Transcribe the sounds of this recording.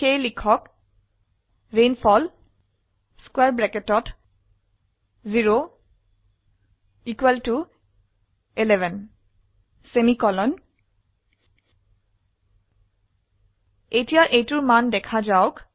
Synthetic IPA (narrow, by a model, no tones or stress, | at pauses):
kejlikʰɔk | ɹenfʰɔl | skwɛɹbɹɛketɔt | ziɹo | ikwɛltu | elɛvɛn | semikɔlɔn | etijaʔejtuɹmandɛkʰazaʊk